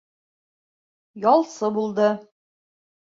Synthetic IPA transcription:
jɒlˠsɤbulˠd̪ɤ

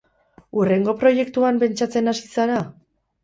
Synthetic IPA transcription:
ure̞ŋɡo̞pɾo̞je̞kt̪uampe̞nt͡ʃat͡se̞nasisaɾa

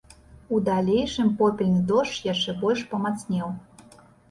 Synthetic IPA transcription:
ud̪alʲejʂɨmpopʲilʲnɨd̪oʂjaʂɛbɔlʲʂpəmat͡snʲɛw

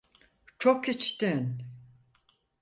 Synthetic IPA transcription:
t͡ʃʰokit͡ʃt̪in

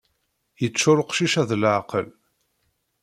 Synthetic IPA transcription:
jət͡sːʊɾˤəqʃiʃæðlʕqəl

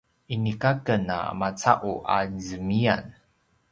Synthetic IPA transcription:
ʔinikakəna̰mat͡saʔuʔa̰zəmian

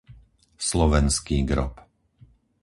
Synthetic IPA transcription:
slɔʋɛnskiːɡɾɔ̰p

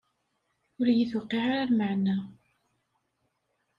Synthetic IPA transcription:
ʊɾjiθwqːiʕaɾaɾmaʕnæ

